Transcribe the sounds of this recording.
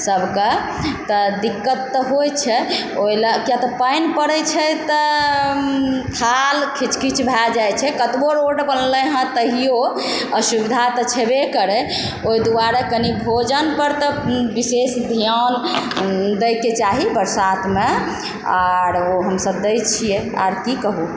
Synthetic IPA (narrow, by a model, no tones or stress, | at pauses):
səbʱkə | t̪əd̪ikːət̪ːɔɦojt͡ʃʰɛ | ojlakjat̪ɔpajnpəɽɛt͡ʃʰɛt̪ɔ | k̪ʰalkʰit͡ʃkit͡ʃʰbʱad͡ʒajt͡ʃʰɛkət̪boɾoɖbənləɦə̃t̪əɦijo | əsubid̪ʱat̪ɔt͡ʃʰɛbekəɾɛ | oid̪uaɾakənibʱod͡ʒənpəɾt̪ɔbisesd̪ʱijan | d̪əjket͡ʃaɦibəɾsat̪ʰme | aɾoɦəmsəbd̪ejt͡ʃʰijea̰ɾkikəɦu